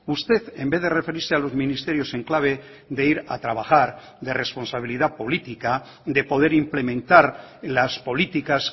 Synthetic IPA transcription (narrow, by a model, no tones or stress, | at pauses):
ust̪e̞θe̞mbe̞ðe̞re̞fe̞ɾiɾsealo̞zmĩnist̪e̞ɾjo̞se̞ŋklaβ̞e̞ | d̪e̞iɾa̰t̪ɾaβ̞axaɾ | d̪e̞re̞spo̞nsaβ̞iliðapo̞lit̪ika | d̪e̞po̞ðe̞ɾimple̞mẽnt̪aɾlaspo̞lit̪ikas